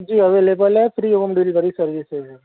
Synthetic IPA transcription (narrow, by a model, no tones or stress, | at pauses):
d͡ʒiːɐʋeːleːbəlɛfɾiːoɣɐmɖiːlbɐɾisɐɾʋise